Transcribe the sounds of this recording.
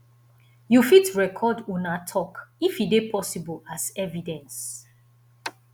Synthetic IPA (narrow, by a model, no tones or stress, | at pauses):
jufitɹɛkʰɔdunatʰɔkifidepʰɔsibəlazɛvidɛ̃ns